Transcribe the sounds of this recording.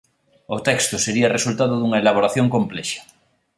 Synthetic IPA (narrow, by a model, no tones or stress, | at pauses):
ot̪ɛkst̪oseɾiɐresult̪aðoðuŋɐelaβ̞oɾaθjoŋkomplɛʃḁ